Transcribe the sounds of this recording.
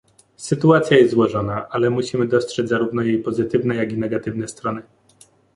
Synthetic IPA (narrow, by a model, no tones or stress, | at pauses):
sɘt̪uat̪sʲjajɛzt̪zwɔʐɔnaʔalɛmuɕimɘd̪ɔstʂɛd͡ʑʲzaɾuvnɔjejpɔzɘt̪ɘvnɛjaɡʲinɛɡat̪ɘvnɛst̪ɾɔnɘ